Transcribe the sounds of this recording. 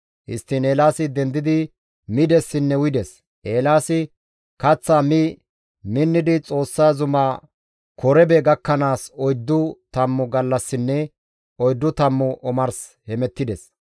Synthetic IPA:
ʔɪ̰st̪ːɪneːlaːsɪd̪ɛnd̪ɪd̪ɪ | mɪd̪ɛsːɪnːɛwɪd̪ɛs | ʔeːlaːsɪ | kɐt͡sːaːmɪ | mɪnːɪd̪ɪt͡sʼo̞ːsːaːzʊmaː | kʰɔɾɛbɛɡɐkːɐnaːsɔjd̪ːʊt̪ɐmːʊɡɐlːɐsːɪnːɛ | ɔjd̪ːʊt̪ɐmːʊʔɔmɐɾs | hɛmɛt̪ːɪd̪ɛs

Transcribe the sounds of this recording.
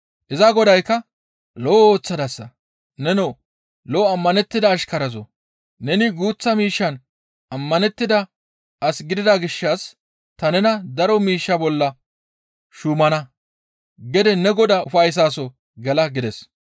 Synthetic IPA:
ʔɪzɐɡɔd̪ɐjkːɐ | loːoːt͡sːɐd̪ɐsːɐ | nɛnoː | loːɐmːɐnɛt̪ːɪd̪ɐːʃkɐɾɐzɔ̰ | nɛnɪɡuːt͡sːɐmiːʃːɐn | ʔɐmːɐnɛt̪ːɪd̪ɐ | ʔɐsɡɪd̪ɪd̪ɐɡɪʃːɐs | t̪ɐnɛnɐd̪ɐɾɔmiːʃːɐbɔlːɐ | ʃuːmɐnɐ | ɡɛd̪ɛnɛɡɔd̪ɐʊfɐjs̬aːsɔ | ɡɛlɐɡɪd̪ɛs

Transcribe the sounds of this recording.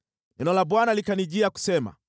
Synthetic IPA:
ɛnɔlabwanalikaniʄiaku̥sɛma̰

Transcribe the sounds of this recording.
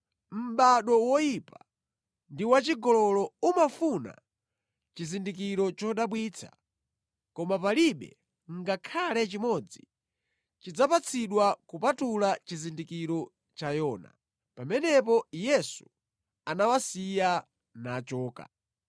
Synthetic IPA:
m̩ɓaɗɔwɔjipa | ndiwat͡ʃiɡɔlɔlɔumafuna̰ | t͡ʃizindikiɾɔt͡ʃɔɗaɓwiːt͡sʰḁ̰ | kɔmap̬aliɓɛ̰ | ŋɡakʰalɛt͡ʃimɔd͡zi | t͡ʃid͡zapat͡sʰiɗwakupatulat͡ʃizindikiɾɔ | t͡ʃajɔːna̰ | pamɛnɛp̬ɔjɛsu | anawasija | nat͡ʃɔːka̰

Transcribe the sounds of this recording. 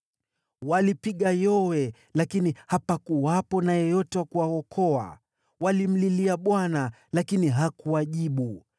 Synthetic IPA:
walipiɠajɔwɛ | lakinihapakuwapɔnajɛjɔtɛwakuwaɔkʰɔa̰ | walim̩liliaɓwana | lakiniɦakuwaʄiɓu

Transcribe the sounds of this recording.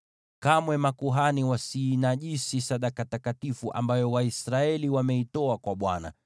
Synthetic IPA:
kamwɛmakuɦaniwasiːnaʄisisaɗakatakatifuʔa̰mbajɔwaisɾaɛliwamɛitɔakwaɓwana̰

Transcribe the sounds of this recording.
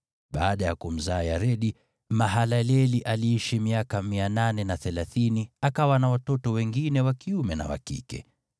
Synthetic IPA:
ɓaːɗajakum̩zaːjaɾɛɗi | maɦalalɛliʔaliːiʃimiakamiananɛnaθɛlaθiniakawanawatɔtɔwɛŋɡinɛwakiumɛna̰wa̰kḭkɛ̰

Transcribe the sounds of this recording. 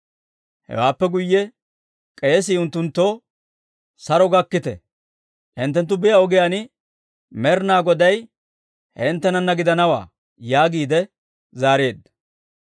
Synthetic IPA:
hɛ̰waːpːɛɡʊjːɛ | kʼe̞ːs̬ɪʊnt̪ːʊnt̪ːoː | sɐɾɔɡɐkːɪt̪ɛ̰ | ʔɪnt̪ːɛnt̪̬ːʊbɪjɐɔɡɪjanɪ | mɛɾnaːɡɔd̪ɐj | hɛɪnt̪ːɛnɐnːɐɡɪd̪ɐnɐwa̰ː | jaːɡiːd̪ɛ | zaːɾe̞ːd̪ɐ

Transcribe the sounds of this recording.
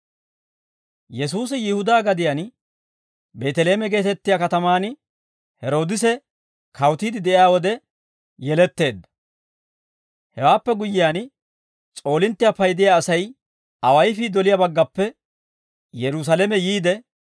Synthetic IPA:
jɛs̬uːsɪjɪhʊd̪aːɡɐd̪ɪjan | be̞ːt̪ɛle̞ːmɛɡe̞ːt̪ɛt̪ːɪjakɐt̪ɐmaːn | hɛɾo̞ːd̪ɪs̬ɛ | kʰɐwt̪iːd̪ɪd̪ɛʔɪjaːwɔd̪ɛ | jɛlɛt̪ːe̞ːd̪ːɐ̥ | hɛwaːpːɛɡʊjɪjaːn | t͡sʼo̞ːlɪnt̪ːɪjapɐjd̪ɪjaːsɐj | ɐwɐjfiːd̪ɔlɪjabɐɡːɐpːɛ | jɛɾus̬ɐlɛmɛjiːd̪ɛ

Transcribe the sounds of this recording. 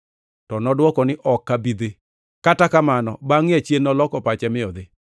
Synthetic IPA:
tɔnɔdwɔkɔnɪʔɔkːabid̪e | katakamanɔ̰baŋɪat͡ʃjenːɔlɔkɔpat͡ʃɛmɪɔd̪e

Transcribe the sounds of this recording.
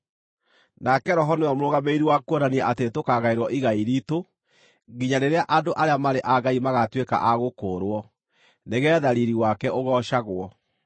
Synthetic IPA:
nakɛɾɔɦɔnoamoɾoɣameiɾiwakuɔnaniɛʔatetokaɣaeɾwɔʔiɣaiɾiːto | ɡiɲaɾeɾeaʔandoʔaɾeamaɾeʔaɡaimaɣatweka̰ʔaɣokoːɾwɔ | neɣɛːðaɾiɾiwakɛʔoɣɔʃaɣwɔ

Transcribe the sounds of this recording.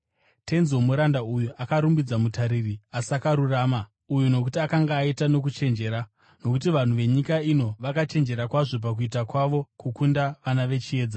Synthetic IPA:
te̞nzomuɾandaujuʔakaɾumbid͡zamutaɾiriasakaɾuraːma | ujuno̞k̬utiakaŋɡaːitano̞k̬ut͡ʃe̞nd͡ʒe̞ɾa | no̞kutiʋan̤uʋe̞ɲikaino̞ʋakat͡ʃe̞nd͡ʒe̞ɾakwaʐo̞p̬ak̬uitakwaʋo̞kukundaʋanaʋe̞t͡ʃie̞ːd͡za

